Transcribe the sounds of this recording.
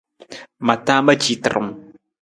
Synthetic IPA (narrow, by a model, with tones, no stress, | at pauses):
ma˨ta˦ma˦d͡ʒi˨tə̰˨ɾɨ̰˨m˨